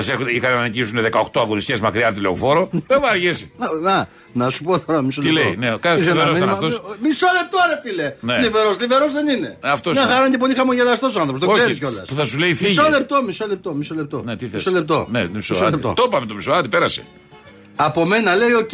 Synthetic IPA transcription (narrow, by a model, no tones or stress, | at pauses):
ɐsexuixɐnenɐnicisuneðekɐoxt̪oɐɣonist̪cezmɐkɾiɐnt̪ileo̰fo̞ɾoðemɐɾʝesinɐ | nɐsupoθoɾɐmisolt̪eileinekɐsɾoɐnt̪omisolep̚t̪oɾefileneliveɾosliveɾozðenine̞ɐft̪osexɐɾond̪epolixɐmoʝelɐst̪o̞s̬oɐnθopst̪ooseɾs̬o̞lɐspuθɐsuleifmiʝsolep̚t̪o̞misolep̚t̪o̞misolep̚t̪onet̪iθeisolep̚t̪o̰nḛt̪misosoept̪o̰t̪opɐmet̪omisoɐt̪ipeɾɐsḛ | ɐpo̞me̞nɐle̞jo